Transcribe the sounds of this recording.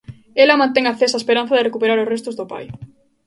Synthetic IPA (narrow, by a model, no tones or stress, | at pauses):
elɐmãnt̪̬eŋaθesɐespeɾan̟θɐðɪrekupeɾaɾʊsrest̪ʊzðʊpa̰j